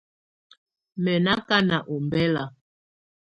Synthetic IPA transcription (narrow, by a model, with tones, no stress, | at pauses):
mɛ˨na˦ka˦na˨ʔɔ˨mbɛ˦la˨